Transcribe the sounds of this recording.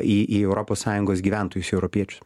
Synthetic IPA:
iːʔiɛʊɾɔːpoːssɑːjʊŋɡoːs̬ɡʲiːʋʲæˑnt̪oːjʊsɛʊɾɔpʲiɛt͡ʃʲʊ̥s

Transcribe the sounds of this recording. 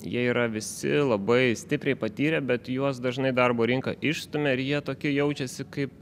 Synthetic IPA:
jḭɛiːɾɐʋʲɪsʲɪ̰lˠɐbɐɪsʲt̪ʲɪpʲɾʲɛɪpɐt̪ʲiːɾʲɛbʲɛt̪juɔs̬d̪ɐʒnɐɪd̪ɐrboːɾʲɪŋkɐ̰ʔɪʃst̪ʊmʲeɪɾjiɛt̪oːkʲɪjɛʊt͡ʃʲɛsʲɪkɐɪp̚

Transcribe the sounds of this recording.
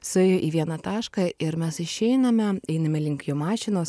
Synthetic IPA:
sʊɛːjoːʔiːʋʲiɛnɐt̪ɑːʃkɐɪɾmʲɛsɪʃʲɛɪnɐmʲɛɛɪnɐmʲɛlʲɪŋʲkʲjoːmɑːʃʲɪnoːs

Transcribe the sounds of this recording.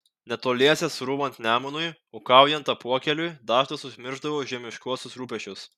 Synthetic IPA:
nʲɛt̪oːlʲiɛsʲɛsɾuːbɐnʲt̪nʲæːmʊnʊjoːkɑˑʊjɛnt̪ɐpuɔkʲɛlʲʊjd̪ɑːʃt̪ɐsʊʒʲmʲɪɾʒd̪ɐʋoːʒʲiɛmʲɪʃkuɔsʲʊsɾuːpʲɛʃʲt͡ʃʲʊs

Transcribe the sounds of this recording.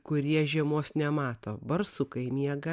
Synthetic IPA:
kʊɾʲiɛʒʲiɛmoːsnʲɛmɑːt̪oːbɐɾsʊkɐɪmʲiɛɡɐ

